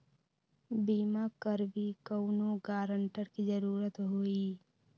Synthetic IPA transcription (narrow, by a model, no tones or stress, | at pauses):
biːmakəɾbʱikəwnoːɡaːɾəɳʈəɾkizəɾuːɾət̪ɦoːiː